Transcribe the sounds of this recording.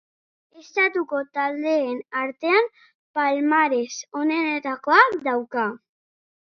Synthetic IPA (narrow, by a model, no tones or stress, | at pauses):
e̞st̪at̪uko̞t̪ald̪e̞ːnaɾt̪e̞am | palmaɾe̞so̞ne̞net̪ako̞akd̪awka